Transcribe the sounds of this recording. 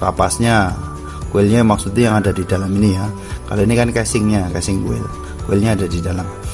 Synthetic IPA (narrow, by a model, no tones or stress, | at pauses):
kapasɲa | kuɪlɲamaksut̪̚ujaŋadadidalaminija | ka̰loinikankɛsɪŋɲakɛsɪŋkṵɪ̰l | kuɪlɲaːdadidalam